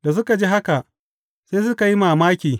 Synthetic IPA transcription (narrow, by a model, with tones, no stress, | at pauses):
d̥a˨s̬ʊ˦ka˨d͡ʒi˦ɦa˦ka˨ʔ | seː˦s̬ʊ˦ka˨ji˦maː˨maː˦kʲiː˨